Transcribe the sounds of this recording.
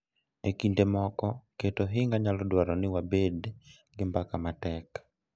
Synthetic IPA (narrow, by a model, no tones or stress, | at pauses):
ekindemɔkɔketoɦɪŋɡaɲalɔdwaɾɔnɪwabed | ɡɪmbakamatɛk